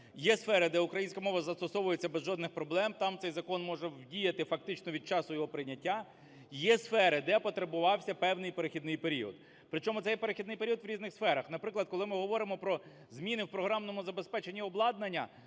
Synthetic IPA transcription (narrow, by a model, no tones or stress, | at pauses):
jɛsfɛɾɪd̪ɛʊkɾɐjinʲsʲkɐmɔʋɐzɐst̪ɔsɔʋʊjet͡sʲːɐbezʒɔd̪nɪxpɾɔblˠɛmt̪ɑmt̪sɛjzɐkɔnmɔʒɛwdʲijɐt̪ɪfɐk̚t̪ɪt͡ʃnɔʋʲid̪̚t͡ʃɑsʊjɔɦɔpɾɪnʲɐtʲːa | jɛsfɛɾɪd̪ɛpɔt̪ɾɐbʊʋɑwsʲɐpɛwnɪjpeɾexʲid̪nɪjpeɾʲiɔ̰d̪ | pɾɪt͡ʃɔmʊt̪sɛjɛpeɾɪxʲid̪nɪjpeɾʲiɔd̪ʋɾʲiznɪxsfɛɾɐxnɐpɾɪklˠɐd̪̚kɔlˠɪmɪɦɔʋɔɾɪmɔpɾɔ | zmʲinɪwpɾɔɦɾɑmnɔmʊzɐbespɛt͡ʃenʲːiɔblˠɑd̪nɐnʲːɐ̰